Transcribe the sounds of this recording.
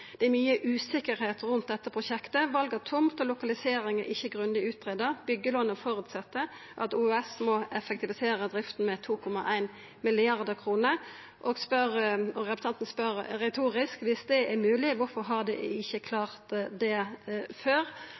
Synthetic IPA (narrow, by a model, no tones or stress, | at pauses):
d̪̥ɛæɾmyːəʔʉːsɪkːəɾheːt̪ʁʉnt̪̚d̪ɛt̪ːəpʰʁʊɕɛkt̪əʋɑlɡət̪ʰʊmt̪ɔlʊkɑlɪseːɾɪŋɛɾʔɪçːəɡʁʉnd̪ɪʉːt̪̚ʁeːd̪əʁbʏɡːəlɔnəfɔɾʉt̪sɛt̪ːə | ʔɑt̪uːɛsmɔɛfɛk̚t̪ɪʋɪseːɾəd̪ɾɪft̪n̩mɛt̪ʰuːkʰɔmɑʔæɪn | mɪlɪɑʁd̪əkʰʁuːnə | ʔɔɡspœʁɔʁɛpʉ̥sʰɑnt̪nspœɾɾɛt̪ʰuːʁɪskʋɪsd̪ɛɛɾmʉːlɪʋʊɾfɔɾɦɑʁd̪ɛ̰ɪçːəkʰlɑːʁt̪d̪ɛføːʁ